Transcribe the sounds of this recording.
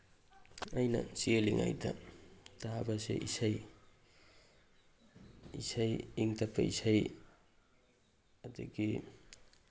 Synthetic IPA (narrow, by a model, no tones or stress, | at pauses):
ajnɐ̰sieliŋa̰jdɐ̰tabasḛʔisaj | isajiŋtapʰːɐ̰isaj | aduɡi